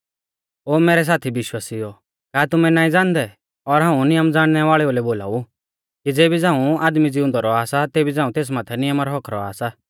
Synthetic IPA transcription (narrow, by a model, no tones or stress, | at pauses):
oːmeːɾɛs̬aːt̪ʰibɪʃwaːsiɔ | kaːt̪ʊmɛnaːĩd͡zãːnd̪ɛ | ɔɾɦãːũnɪjəmd͡zaːɽ̃nɛʋaːɭɛoːlɛboːla̰ːu | kid͡zeːbid͡zãːũaːd̪mid͡zɪʊ̃nd̪aɾɔaːsat̪eːbid͡zãːũt̪eːs̬mãːt̪ʰɛnɪjəmaɾɔɦɔkʰɾɔ̰a̰ːsa